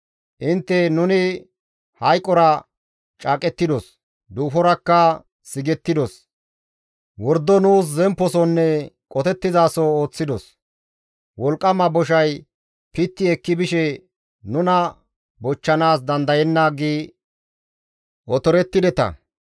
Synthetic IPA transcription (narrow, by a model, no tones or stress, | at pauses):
ʔɪnt̪ːɛnʊnɪ | hɐjkʼːɔɾɐ | t͡ʃʼaːkʼɛt̪ːɪd̪ɔs | d̪uːfɔɾɐkːɐ | sɪɡɛt̪ːɪd̪ɔs | wɔɾd̪ːɔnuːs̬zɛmpːɔsɔnːɛkʼɔt̪ɛt̪ːɪzaːsɔo̞ːt͡sːɪd̪ɔs | wɔlkʼːɐmɐbɔʃ̬ɐj | pɪt̪ːɪɛkːɪbɪʃɛ | nʊnɐ | bɔt͡ʃːɐnaːsd̪ɐnd̪ɐjɛnːaːɡiː | ʔɔt̪ɔɾɛt̪ːɪd̪ɛt̪ɐ̰